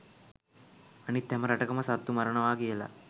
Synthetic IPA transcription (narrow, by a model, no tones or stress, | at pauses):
anit̪ːɛməɾɐʈɐkəməsat̪ːumɐɾəɳəʋaːkijəla̰